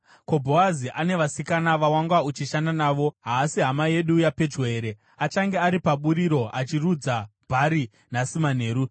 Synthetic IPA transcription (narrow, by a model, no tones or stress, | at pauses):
ko̞bʱoaziʔane̞ʋasikanaʋawaŋɡwaut͡ʃiʃandanaːʋo̞ɦaːsiɦamaje̞ɗujape̞d͡ʒwe̞ːɾe̞ | at͡ʃaŋɡe̞aɾipaɓuɾiɾo̞ʔat͡ʃirud͡zabʱaɾi | nasiman̤e̞ːɾu